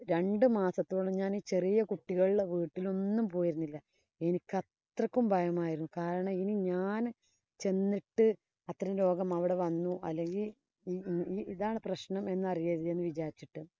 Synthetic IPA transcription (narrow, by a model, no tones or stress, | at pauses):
ɾe̞ɳɖɨmaːsɐt̪ːioːɭɐmɲaːniːt͡ɕe̞rijɐkuʈːiɣɐɭieʋiːʈːilo̞nːumpo̞ːjiɾunːilːɐ | e̞nikʲːɐt̪rɐkːumbʱɐjɐmaːjiɾunːukaːɾɐɳɐminiɲaːn | t͡ɕe̞nːiʈːɨ | ɐt̪ːɐɾɐmɾo̞ːɡɐmɐʋiɽe̞ʋɐnːuʔɐ̰lːe̞ŋɡilː | iːiðaːɳɨprɐɕnɐme̞nːɐrijɐðiðenːɨʋid͡ʑaːɾit͡ɕːiʈːɨ